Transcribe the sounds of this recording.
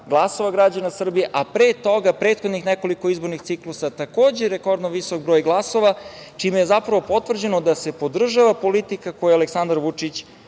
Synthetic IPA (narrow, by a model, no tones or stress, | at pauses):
ɡlˠaso̞ʋaɡɾad͡ʑanasr̩bijeʔapɾeːt̪o̞ɡapɾet̪xod̪nixneko̞liko̞izboɾnixt̪siklusat̪ako̞ːd͡ʑeɾeko̞ɾd̪noʋiso̞kbɾojɡlˠaso̞ʋat͡ʂimejezapɾaʋo̞po̞t̪ʋr̩d͡ʑenod̪asepo̞d̪r̩ʒaʋapo̞lit̪ikakojaaleksand̪ɾaɾʋut͡ʂit͡ɕ